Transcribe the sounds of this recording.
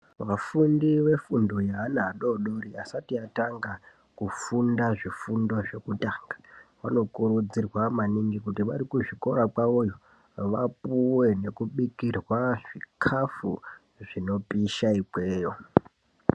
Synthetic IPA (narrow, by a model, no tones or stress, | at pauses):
ʋafundiʋe̞fundojaɦːnaːɗo̞ɗo̞ɾiasatiataŋɡa | kufundaʐifundo̞ʐe̞kutaːŋɡḁʋano̞kuɾud͡zirwamaniŋɡikutiʋaɾikuʐiko̞ɾakaojo | ʋapuwe̞ne̞kuɓikirwaʐikʰafṵ | ʐino̞piʃaikwe̞ːjo̞